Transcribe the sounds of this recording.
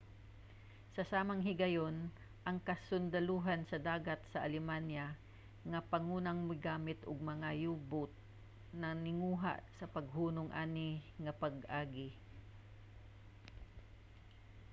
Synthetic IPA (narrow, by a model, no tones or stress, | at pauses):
sɐsaːmɐŋɦɪɡɐjon | ʔɐŋkɐsʊnd̪ɐluːɦansɐd̪aːɡat̪̚sɐʔɐlɪmanja | ŋɐpɐŋuːnaŋmɪɡaːmɪt̪ʔʊɡ̚mɐŋajuːbʊt̪̚ | nɐnɪŋuːɦa̰ʔsɐpɐɡ̚huːnʊŋʔa̰ːnɪŋɐpɐɡʔaːɡɪ